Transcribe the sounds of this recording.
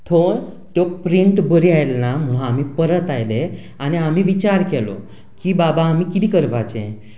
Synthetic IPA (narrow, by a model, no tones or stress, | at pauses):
t̪ʰo | t̪jɔpɾiɳʈbəɾiajlnam̤əɽ̃ũam̤iːpəɾət̪ajle | añiam̤iːʋit͡ɕaɾkɛlɔ̰ | kiːbabaːm̤iːkit̪iːkəɾpat͡ɕḛ̃